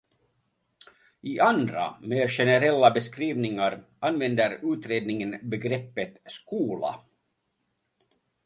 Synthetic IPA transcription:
ʔɪʔand̪ɾa̰meːɾʂɛnəɾɛlːabɛskɾiːvnɪŋaɾʔanvɛnd̪əɾʉ̟ːt̪ɾeːd̪nɪŋənbɛɡɾɛpːət̪skuːla̰

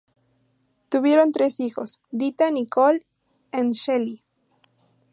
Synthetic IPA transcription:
t̪uβjeɾont̪ɾesixosd̪it̪anikol | enʃeli

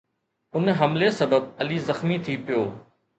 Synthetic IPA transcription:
ʊnɦɐmlesɐbəb̚ɐliːzɐxmit̪ʰipɪjoː

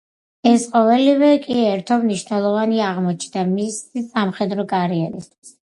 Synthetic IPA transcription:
ɛsqʼɔvɛlivɛkʼiɛɾt̪ʰɔbniʃnɛlˠɔvaniaːʁmɔt͡ʃʰnd̪amisisamχɛd̪ɾɔkʼaɾiɛɾḭst̪ʰwi̥s

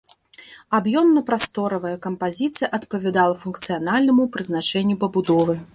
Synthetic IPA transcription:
abjɔmnɐpɾast̪ɔɾɐvɐjɛkɐmpazʲit̪sɨjɐʔɐt̪pɐvʲɛd̪alˠɐfunkt̪sɨjanalʲnɐmupɾɨznat͡ʂɛnʲːupɐbud̪ɔvɨ

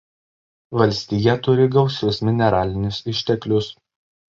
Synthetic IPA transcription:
ʋɐlʲsʲt̪ʲijɛt̪ʊɾʲɪɡɒʊsʲʊsmʲɪnʲɛɾɑːlʲɪnʲʊsɪʃʲt̪ʲɛklʲʊs

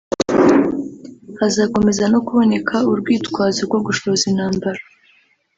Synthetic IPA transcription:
hazaːko̞me̞zano̞kuβo̞ne̞kʰauɾɡwiːtkwaːzoɾɡwo̞ɡuʃo̞βzinaːmbaɾa

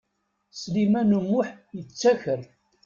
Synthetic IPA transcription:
slimænəmːʊħjət͡sːæçəɾ

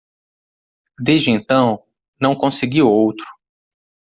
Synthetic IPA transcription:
d̪ezd͡ʒɪẽnt̪ɐ̃w̃ | nɐ̃w̃kõsɪɡiwowt̪ɾʊ̥

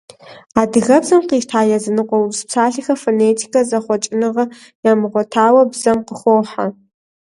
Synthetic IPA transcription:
aːdɨɣɐbzɐmqiːʃtʰaːjɐzɨnɨqʷʼɔwbspsʰaːɬixɐfoːneːtʰi̥kʰɐzɐχʷɔt͡ʃʼɪnɨʁɐ | jaːmɨʁʷɔtʰaːwɐbzɐmqəxʷoːħa̰

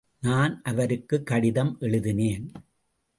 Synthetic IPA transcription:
naːnʔɐʋɐɾɯkːɯkːɐɽɪðɐmʔɛɭɯðɪneːn

